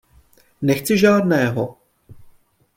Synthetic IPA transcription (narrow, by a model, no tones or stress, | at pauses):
nɛxt͡sɪʒaːdnɛːɦo